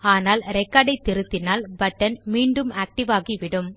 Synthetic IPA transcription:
aːnaːlɾɛkːaɽɐɪt̪ːɪɾɯt̪ːɪnaːlbɐʈːɐnmiːɳɖɯmaːk̚ʈɪʋaːɣiʋɪɽɯm

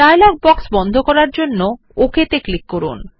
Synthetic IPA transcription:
aelak̚bɔksbɔnd̪ʱokɔɾaɾd͡ʑonːo | okʰet̪eklikːoɾṵn

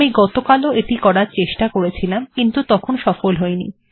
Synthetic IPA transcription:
iɡɔt̪okaloeʈikɔɾaɾt͡ɕeʃʈakoɾet͡ɕʰilamkint̪ut̪ɔkʰonʃɔfolɦoenḭ

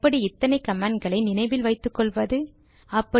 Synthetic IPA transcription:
pːɐɽiɪt̪ːɐnɐɪkɐmaːɳnɡɐɭɐɪnɪnɐɪʋɪlʋɐɪt̪ːɯkːɔɭʋɐðɯ | ɐpːɐ

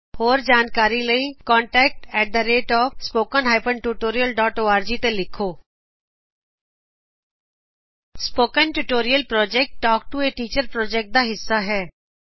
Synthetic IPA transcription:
hoːɾd͡ʒaːnkaːɾiləikɔ̃ːɳʈɛːk̚ʈɛːʈ̚d̪əɾeːʈɔːfspoːkənɦaːɪpənʈuːʈoːɾijəlɖɔːʈoːaːɾd͡ʒiːt̪elɪkʰːoː | spoːkənʈuːʈoːɾijəlpɾɔːd͡ʒɛːk̚ʈʈːɔːk̚ʈueːʈiːt͡ʃəɾpɾɔːd͡ʒɛk̚ʈ̚d̪aːɦɪsːaɦɛː

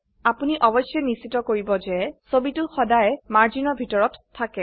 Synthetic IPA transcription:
apuniʔɔbɔsjɛnisitɔkoɹibɔzɛsobitʊxɔdajmaɹzinɔbʱitɔɹɔtʰːakɛ

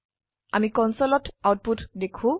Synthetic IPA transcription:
amikɔnsɔlɔtawt̚putdekʰʊ̃

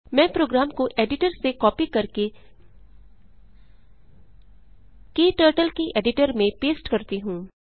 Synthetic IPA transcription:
mɛ̃ːpɾoːɡɾaːmkoʔeːɖɪʈəɾsekɔːpikɐɾke | kiːʈəːɾʈəlkiʔeːɖɪʈəɾmẽpeːsʈkɐɾt̪iɦũː

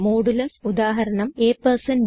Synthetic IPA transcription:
moːɽulɐsud̪aːɦɐɾɐɳɐmeːpːɐrsɐn

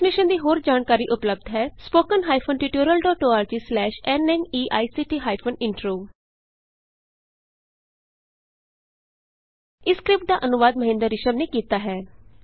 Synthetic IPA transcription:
mɪʃənd̪iːɦoːɾd͡ʒaːnkaːɾiːʔʊpləb̚d̪ɦɛːspoːkənɦaːipʰonʈiʈoːɾəlɖɔːʈoːaːɾd͡ʒiːslɛːʃɛnɛ̃niːʔaːisiːʈiːɦaːipʰoːnɪ̃ɳʈɾoː | ɪskɾɪp̚ʈ̚d̪aːʔənʊʋaːd̪məɦɪ̃nd̪əɾːɪʃəmneːkiːt̪aːɦɛː

